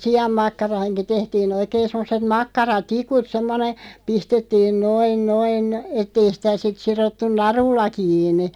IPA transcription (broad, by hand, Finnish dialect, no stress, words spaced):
siɑmːɑkːɑrɑːnki tehtiːn oikeːn̞ semːoset mɑkːɑrɑtikut semːone pistetːiːn noin noin etˑ ei sĭtæ sit sirotːun nɑrulːɑ kiːnˑi